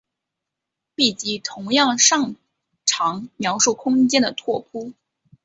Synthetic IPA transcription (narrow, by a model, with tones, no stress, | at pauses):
pi˥˩t͡ɕi˧˥t̪ʰʊ˧˥ŋjɑ˥˧ŋʂɑ˥˩ŋ | ʈ͡ʂʰɑ˧˥ŋmjɑ˧˥ʊʂu˥˩kʰʊ˥ŋt͡ɕjɛ˥nd̪ə˨t̪ʰwɔ˥˩pʰu˥